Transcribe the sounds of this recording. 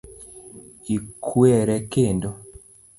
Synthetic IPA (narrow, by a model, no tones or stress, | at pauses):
ikʰwɛɾɛkendo